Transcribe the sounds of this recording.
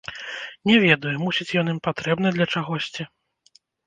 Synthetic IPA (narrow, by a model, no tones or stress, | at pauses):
nʲɛvʲɛd̪ujumusʲit͡sʲjɔnimpat̪ɾɛbn̪ɨd̪lʲɐt͡ʂaɣɔsʲt͡sʲi